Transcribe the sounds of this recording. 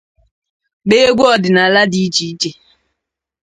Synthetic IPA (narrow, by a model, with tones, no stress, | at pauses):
ɡ͡be˦e˦ɡʷu˦ɔ˨dɪ˨na˨la˦di˦i˦t͡ʃi˨i˦t͡ʃe˨